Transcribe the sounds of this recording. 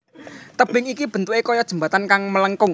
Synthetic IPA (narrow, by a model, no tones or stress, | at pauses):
t̪əb̥ɪŋikib̥ə̤nt̪uʔekɔjɔd̥ʒ̥ə̤mbät̪ankaŋmələŋkʊŋ